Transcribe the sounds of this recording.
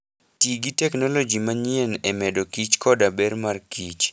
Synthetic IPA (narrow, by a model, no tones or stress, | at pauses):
tiɡitɛknɔlod͡ʒimaɲɪɛnɛmɛdokit͡ʃkɔdabɛrmarkit͡ʃ